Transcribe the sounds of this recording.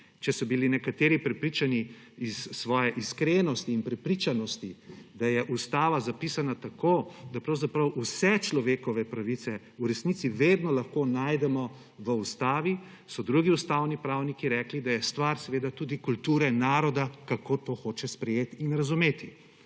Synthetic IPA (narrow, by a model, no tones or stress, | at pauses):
t͡ʃɛsɔbilinɛkat̪eːɾipɾɛpɾiːt͡ʃani | isːʋɔːjɛʔiskɾenɔst̪iːnpɾɛpɾit͡ʃanɔst̪id̪ajɛʔust̪aːʋazapiːsanat̪akoːd̪apɾɐwzapɾɐwʔusɛt͡ʃlɔʋeːkɔʋɛpɾaʋit̪sɛ | uɾɛsnit̪siʋeːd̪nɔlɐxkonaːjd̪ɛmɔ | ʋəust̪aːʋi | sɔd̪ɾuɡiust̪awnipɾawnikiɾɛklid̪ajɛst̪ʋaɾsɛʋeːd̪at̪uːd̪ikult̪uːɾɛnaːɾɔd̪akakot̪oːxoːt͡ʃɛspɾɛjeːt̪inɾazumeːt̪i